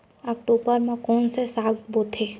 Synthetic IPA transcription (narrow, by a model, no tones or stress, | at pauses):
ɔk̚ʈoːbəɾmãkɔːnsesaɡbot̪ʰe